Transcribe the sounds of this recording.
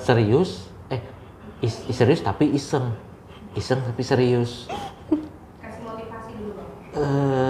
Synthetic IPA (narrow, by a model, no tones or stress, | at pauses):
səɾiʊs | ɛh | isisəɾiʊst̪apiʔisəŋ | isəŋt̪apisəɾiʊs | ə